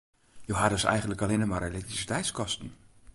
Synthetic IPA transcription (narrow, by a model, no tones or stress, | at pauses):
jəwɦadøsɛ̰jχəndləkalenəmaɾelɛktrisi̥tɛjtskɔstny